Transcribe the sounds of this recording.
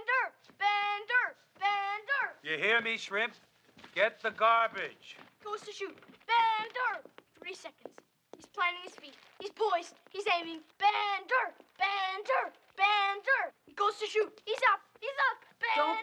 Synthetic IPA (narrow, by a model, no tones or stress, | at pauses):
ndə˞ | b̥ændə˞ | b̥ændəɹjɨhiɹmiʃɹɪ̃p̚ | ɡ̥ɛt̪̚ðəɡɑɹbɪd̥d͡ʒ̥iɡ̥oʊz̥tʰɨʃʉt̚b̥æ̃ndə˞θɹisɛkɨ̃n̩dz̥ | hiz̥pʰl̥æ̃ñɪ̃ŋɨz̥fit̚ | hiz̥pʰɔɪst̚hizẽɪ̃mɪ̃ŋb̥ændə˞b̥ændə˞ | b̥ændəɹhiɡoʊz̥tʰɨʃut̚hizʌp̚hizʌp̚b̥æ